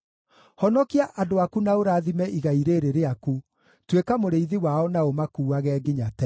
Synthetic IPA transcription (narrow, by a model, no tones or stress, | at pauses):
hɔnɔkiaʔadoakunaoɾaːðimɛʔiɣaiɾeɾeɾeaku | twekamoɾeiðiwaɔnaomakuːaɣɛːɡiɲatɛ